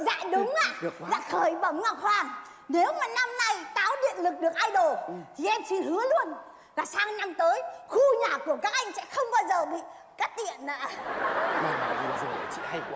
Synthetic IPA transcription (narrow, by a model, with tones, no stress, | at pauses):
za̰ː˧˨jɗʊ˨˦ŋ͡maː˧˨ɗɨ˨˩ək̚ːza̰ː˧˥xəː˧˩jɓə˧˩wŋ͡mŋa˨˩p̚hwaː˨˩n | ne˨˦wmaː˨˩na˧mna˧jt̪aː˨˦wɗḭ˧˨ənlɨ˨˩k̚ɗɨ˨˩ək̚ʔaː˧jɗo˨˩˨t̪ʰi˨˩ʔɛ˧mt͡ɕi˧hɨ˨˦əlu˧ən | laː˨˩saː˧ŋna˧mt̪əː˨˦jxu˧ɲaː˨˩ku˧˩əkaː˦˥k̚ʔa˧jŋ̟sɛ̰˧˥xə˧wŋ͡mɓaː˧wzəː˨˩ɓḭ˧˨ | kaː˦˥k̚t̪ḭ˧˨ənaː˧˨˧ | ma˨˩˨zi˨˩zə˨˩˨t͡ɕḭ˧˨ha˧j